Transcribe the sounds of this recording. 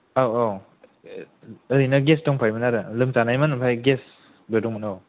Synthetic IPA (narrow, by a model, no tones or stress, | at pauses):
awaw | əɾinaɡestɔŋpʰajmɯnaɾɯlɯmsanajmanpʰajɡes | bedɔŋmanaw